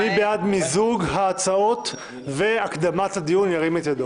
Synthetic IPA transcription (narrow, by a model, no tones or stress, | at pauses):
nibead̪mizuɡɦaːt͡sao̞t̪ | ve̞akd̪amatad̪ijunjaʁimet̪jad̪o